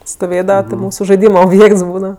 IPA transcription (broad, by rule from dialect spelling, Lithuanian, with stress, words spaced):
stoːˈʋʲeːdɐʋɐ tʲɪ ˈmuːsʊ ʒɐɪˈdʲiːmɐ oːbʲˈjeːkts ˈbuːdɐʋɐ